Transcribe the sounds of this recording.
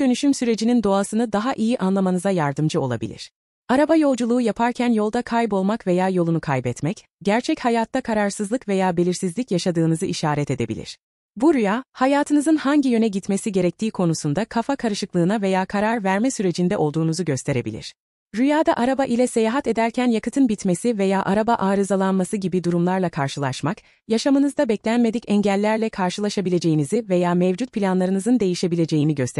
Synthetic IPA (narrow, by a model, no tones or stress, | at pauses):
d̪̥ø̞nyʃymsyɾe̞d͡ʒinind̪o̞asɯnɯd̪aɦaʔijiʔanlˠamanɯzajaɾd̪ɯmd͡ʒɯo̞lˠa̰bḭlʲḭɾ̥ | aɾabajo̞lˠd͡ʒulˠuːjapʰaɾcʰænjo̞lˠd̪akʰajbo̞lˠmakve̞jaːjo̞lˠunukʰajbɛt̪mɛc | ɟæɾt͡ʃʰɛchajaːt̪ːakʰaɾaɾsɯzlˠɯkve̞jaːbe̞lʲiɾsizlʲicjaʃad̪ɯːnɯzɯʔiʃaːɾɛt̪ʰe̞d̪e̞bḭlʲḭɾ̥ | buɾyjaːhajaːt̪ʰɯnɯzɯnhaɲɟijø̞nɛɟit̪me̞siɟe̞ɾɛc̚t̪ʰiːkʰo̞nusund̪akʰafakʰaɾɯʃɯklˠɯːnave̞jaːkʰaɾaɾvæɾmɛsyɾe̞d͡ʒind̪ɛʔo̞lˠd̪uːnuzuɟø̞st̪ʰe̞ɾe̞bḭlʲḭɾ̥ | ɾyjaːd̪aʔaɾabaʔilʲɛse̞jaːɦat̪e̞d̪æɾcʰænjakɯt̪ʰɯnbit̪me̞sive̞jaːʔaɾabaʔaːɾɯzalˠanmasɯɟibid̪uɾumlˠaɾlˠakʰaɾʃɯlˠaʃmak | jaʃamɯnɯzd̪abɛclʲænme̞d̪icɛɲɟælʲːæɾlʲɛkʰaɾʃɯlˠaʃabilʲe̞d͡ʒe̞jinizive̞jaːmɛvd͡ʒut̪̚pʰilʲanlˠaɾɯnɯzɯnd̪e̞jiʃe̞bilʲe̞d͡ʒe̞jiniɟøst̪